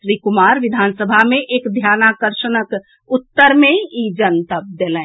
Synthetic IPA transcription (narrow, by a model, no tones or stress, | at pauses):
ʃɾikumaɾʋɪd̪ʱansəbʱameʔeːkd̪ʱjanakəɾʃənək | ut̪ːəɾmẽid͡ʒənt̪əp̚d̪elɛ̃